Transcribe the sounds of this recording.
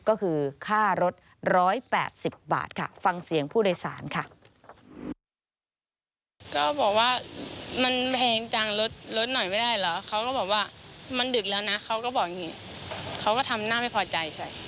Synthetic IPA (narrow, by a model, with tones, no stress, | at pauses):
kɔː˥˩kʰɯː˧kʰaː˥˩ɾo˦˥t̪̚ | ɾɔː˦˥jpɛ̰ː˨˩t̪̚si˨˩p̚ba̰ː˨˩t̪̚kʰa̰˥˩fa˧ŋsi˨˩˦əŋpʰuː˥˩doː˧jsa̰ː˩˦nkʰa˥˩ | kɔː˥˩bɔː˨˩k̚waː˥˩ma˧npʰɛː˧ŋt͡ɕa˧ŋlo˦˥t̪̚lo˦˥t̪̚nɔ˨˩jma˥˩jdaː˥˩jlɔ˦˥kʰa˦˥wkɔː˥˩bɔː˨˩k̚waː˥˩ma˧ndɯ˨˩k̚lɛː˦˥wna˦˥ʔkʰa˦˥wkɔː˥˩bɔː˨˩k̚ŋiː˧˩kʰa˦˥wkɔː˥˩t̪ʰa˧mnaː˥˩ma˥˩jpʰɔː˧t͡ɕa˧jsʰa˥˩j